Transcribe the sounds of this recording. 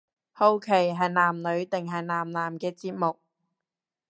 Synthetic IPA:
ho˧wkʰe˨˩jɦɐ˨jnaː˨˩mlɵ˨˧ɥt̪ɪ˨ŋɦɐ˨jnaː˨˩mnaː˨˩mkɛː˧t͡siː˧t̚mʊ˨k̚

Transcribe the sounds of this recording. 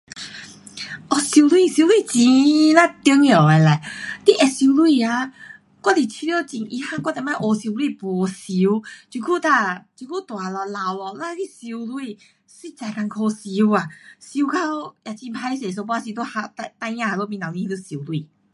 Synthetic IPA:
ʔɔ˧˨si˧lwi˥˨si˧lwi˥˨t͡ɕĩ˧la˦˧˨t̪i˧˦ŋ˧ɔ˨ɛ˨˧˨la˨t̪i˧˦˨ʔɛ˨si˧lwi˧˨a˧˦ | kwa˥˨t̪i˨t͡ɕʰi˧li˧ɔ˥˧˨t͡ɕi˧˨ŋʔḭ˧˨ha˥˧˨kwa˥˨t̪ɛ˧˨mã˥˨ʔo˧si˧lwi˥˧˨pɔ˨si˧u˧t͡ɕu˧kʰu˥˨t̪a˧˨t͡ɕu˧ku˥˨t̪wa˨lɔ˧la˧wlɔ˧la˧˨˦ki˧˨si˧u˧lwi˥˧˨ | si˦˧˨t͡sa˧˨ka˧nkʰo˧si˧u˧a˨si˧u˧kʰa˧˦o˦˨ja˨˩t͡ɕĩ˧mpʰa˧i˧se˨s̬o˧pa˧si˧t̪o˥˧ha˧a˧t̪a˧jjã˧a˧lo˧˨mĩ˧nã˨˧ĩ˧˦lu˧˨si˧u˧li˧˨

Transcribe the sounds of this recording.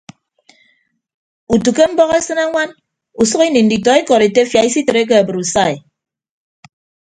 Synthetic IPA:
u˨tu˨ke˦m̩˦bɔ˦ɣe˦sɨ˦na˦ŋʷa˦n | u˨sʌ˦ki˦ni˨n̩˨di˨tɔ˨e˦kɔ˨ɾe˨te˦fja˨i˦si˦tɨ˨ɾe˦k̬e˦a˨bɨ˨ɾu˨sa˦˨e˨

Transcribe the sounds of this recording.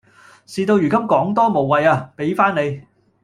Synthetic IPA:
siː˧t̪o˧wjyː˨˩kɐ˥mkɔː˨˥ŋt̪ɔː˥mo˨wːɐ˨˧jaː˧pe˨˥jfaː˥ne˨˧j

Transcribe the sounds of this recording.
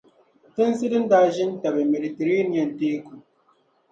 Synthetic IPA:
tɨ˦n˦sɨ˦dɨ˦n˦daː˦ʒi˦n˦ta˨be˨me˨di˨te˨ɾe˦ni˨a˨n˨teː˦ku˨

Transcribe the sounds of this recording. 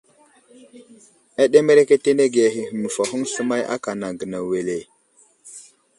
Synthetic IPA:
a˦ɗe˦me˦ɾe˦ke˦te˦ne˦ɡe˨ɦi˨hə˨mə˨fa˨ɦu˦ŋsə˦ma˦jʔa̰˦ka˨na˨ɡə˨na˨we˨le˨

